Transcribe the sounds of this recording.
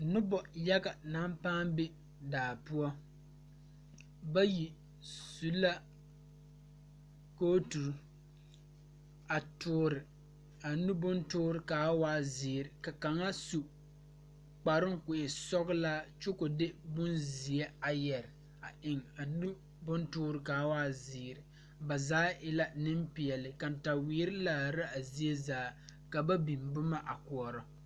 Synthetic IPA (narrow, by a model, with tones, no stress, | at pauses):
nʊ˦bɔ˨jɛ˦ɡa˨na˦mpaː˦mbɪ˦ | daː˨pʊ˦ɔ˦ | ba˦ji˨ | su˨la˦ | ko˦tu˨ɾu˦ | a˨tʊː˨ɾɪ˨ | a˨nu˦bʊ˦ntʊː˦ɾɪ˨kaː˨˦waː˦zɪː˨ɾɪ˨ka˨ka˨ŋa˦su˨ | k͡pa˨ɾɪ˦ŋ˦kʊ˨ʔɪ˨sɔ˦ɣla˦t͡ʃʊ˦kʊ˨dɪ˦bʊ˦nzi˨e˦a˨jɛ˨ɾɪ˨ | a˨ʔɪ˨ŋa˨nu˦ | bʊ˦ntʊː˦ɾɪ˨kaː˨˦waː˦zɪː˨ɾɪ˨ | ba˨zaː˦ʔɪ˦la˦nɪ˦mpi˨ɛ˨lɪ˨ka˨n˨ta˨wiː˨˦ɾɪ˦laː˨ɾa˦a˨zi˦e˦zaː˦ka˨ba˦bi˨mbʊ˦ma˦ʔa˨kʊ˨ɔ˨ɾɔ˦